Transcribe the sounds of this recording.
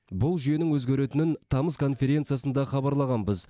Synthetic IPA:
bʊlˠʒʏje̞nɪŋwɵzɡʲeɾe̞t̪ɪnɪnt̪ʰɑməskʰo̞nfʲe̞ɾʲe̞nt̪sɨjasənd̪ɑχɑbɑɾlˠɑʁɑnbəz

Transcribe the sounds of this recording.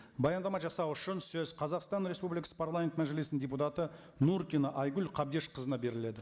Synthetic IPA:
bɑjɑnd̪ɑmɑʒɑsɑwʏʃɪnsɵzqʰɑzɑqst̪ɑnɾe̞spublikɑ̥sə̥pʰaɾlˠament̪mæʒe̞lesnɪnd̪ʲe̞put̪ɑt̪ə | nuɾt̪ʲinəʔɑjɡʲʉlqʰɑb̚d̪eʃqʰəzənɑbe̞ɾɪle̞d̪ɪ

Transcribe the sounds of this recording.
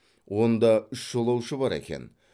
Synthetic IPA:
wo̞nd̪ɑʏʃʒ̥olˠɑwʃəbɑɾḛkʲe̞̰n

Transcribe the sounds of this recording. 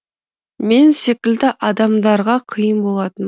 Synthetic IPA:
me̞nse̞kʲɪld̪ɪʔɑd̪ɑmd̪ɑɾʁɑqʰəjənbo̞lˠɑt̪ən

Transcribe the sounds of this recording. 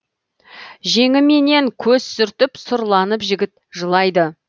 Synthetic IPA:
ʒe̞ŋɪme̞ne̞ŋkʲʰɵz̥sʏɾt̪ɪpsʊɾlˠɑnəpʒɪɡʲɪt̪̚ʒəlˠɑjd̪ə

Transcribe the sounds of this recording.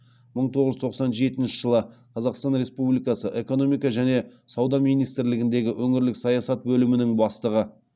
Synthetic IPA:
məɴt̪ʰo̞ʁəʒt̪ʰoqsɑnʒe̞t̪ɪnʃɪ̥ʒ̥əlˠəqʰɑzɑqst̪ɑnɾe̞spublijkɑsəʔe̞ko̞no̞mijkɑʒæne̞sɑwd̪ɑmijnijst̪ɪɾlɪɡʲɪnd̪e̞ɡʲɪʔɵŋɪɾlɪksɑjɑsɑt̪̚bɵlɪmɪnɪŋbɑst̪əʁə

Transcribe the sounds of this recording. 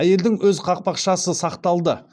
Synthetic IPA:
æje̞ld̪ɪŋwɵzqʰɑq̚pɑqʃɑsəsɑqt̪ɑlˠd̪ə

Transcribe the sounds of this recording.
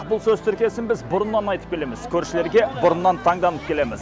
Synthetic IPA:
bʊlˠsɵzt̪ʰʏɾkʲije̞sɪnbɪzbʊɾənːɑnɑjt̪ə̥p̚kʰʲe̞le̞mɪzkʲʰɵɾʃɪle̞ɾɡʲe̞bʊɾənːɑnt̪ʰɑŋd̪ɑnəp̚kʲʰe̞le̞mɪz

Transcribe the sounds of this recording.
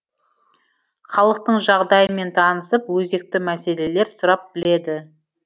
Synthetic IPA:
χɑlˠəq̚t̪əɴʒɑʁd̪ɑjəme̞nt̪ʰɑnəsəpwɵze̞k̚t̪ɪmæse̞le̞le̞ɾsʊɾɑp̚bɪle̞d̪ɪ

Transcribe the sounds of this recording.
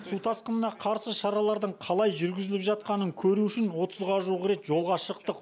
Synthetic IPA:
sut̪ʰɑsqənənɑqʰɑɾsəʃɑɾɑlˠɑɾd̪əɴqʰɑlˠɑjʒʏɾɡʲɪzɪlɪpʒɑt̪̚qɑnəŋkʲʰɵɾuʏʃɪnwo̞t̪ʰəzʁɑʒuʁəɾe̞t̪ʒo̞lˠʁɑʃəq̚t̪əq

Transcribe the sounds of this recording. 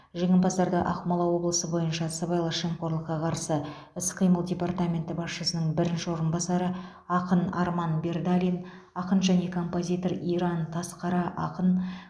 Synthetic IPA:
ʒeŋɪmbɑsɑɾd̪əʔɑqmɑlˠɑwo̞blˠəsəbo̞jənʃɑsɑbɑjlˠəʃeŋqo̞ɾlˠəqːɑqʰɑɾsə | ɪsqʰijməlˠdʲe̞part̪amʲe̞nt̪ɪbɑsʃəsənəɴbɪɾɪnʃɪwo̞ɾənbɑsɑɾə | ɑqənɑ̰ɾmɑnbe̞rd̪alʲijn | ɑqənʒæne̞kʰo̞mpo̞zʲijt̪o̞ɾijɾɑnt̪ʰɑsqɑɾɑʔɑqən

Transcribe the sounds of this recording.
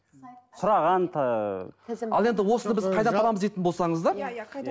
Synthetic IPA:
sʰʊɾɑʁɑnt̪ʰ | ɑ̰lˠe̞nd̪ɪwo̞sənəbɪzʰɑjd̪ɑnʰɑlˠɑməzd̪ejt̪ɪnbo̞lˠsɑɴəzd̪ɑɾ

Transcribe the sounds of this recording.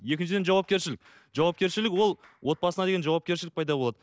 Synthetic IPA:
je̞kʲɪnt͡ʃ̬ɪd̪enʒɑwɑp̚kʲeɾʃɪlɪk̚ʲ | ʒ̥ɑwɑp̚kʲe̞ɾʃɪlɪkwo̞lˠ | wo̞t̪̚bɑsənɑd̪e̞ɡʲeʒɑwɑp̚kʲe̞ɾʃ̬ɪlɪkpʰɑjd̪ɑbo̞lˠɑd̪ə

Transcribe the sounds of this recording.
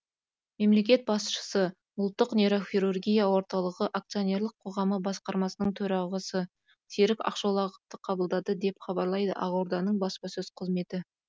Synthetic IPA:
me̞mle̞kʲe̞t̪̚bɑsʃə̥sə | ʊlˠt̪ːəqneɾo̞xʲiɾurɡʲijawo̞ɾt̪ɑlˠəʁəʔak̚t̪sio̞ne̞ɾlˠəqʰo̞ʁɑməbɑsqɑɾmɑsənəɴt̪ʰɵɾɑʁɑsə | t̪ʰeɾɪkɑ̰qʃolˠɑʁəp̚t̪əqʰɑbəlˠd̪ɑd̪əd̪e̞pχɑbɑɾlˠɑjd̪ə̰ʔɑʁoɾd̪ɑnəɴbɑspɑsɵz̥qʰəzme̞t̪ɪ

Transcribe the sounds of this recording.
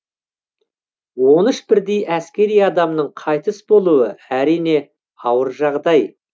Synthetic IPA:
wo̞nɪʃbɪɾd̪ejæskʲe̞ɾijɑd̪ɑmnəɴqʰɑjt̪əsbo̞lˠuəæɾijne̞ | ɑwəɾʒɑʁd̪ɑj

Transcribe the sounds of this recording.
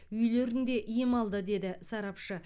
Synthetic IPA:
ʏjle̞ɾɪnd̪e̞ʔijɪmɑlˠd̪əd̪e̞d̪ɪsɑɾɑpʃə

